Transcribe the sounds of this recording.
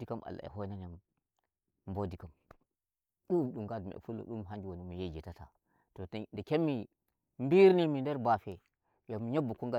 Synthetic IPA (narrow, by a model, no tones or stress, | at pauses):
dikamʔa̰lːa̰ḛɦonanam | mbodikam | ɗuɗuŋɡadmḛfulːo̰ɗumɦand͡ʒiwanumijed͡ʒetata̰ | tondikemːi | mbiɾnimindeɾbafe | jomiɲabːukuŋɡa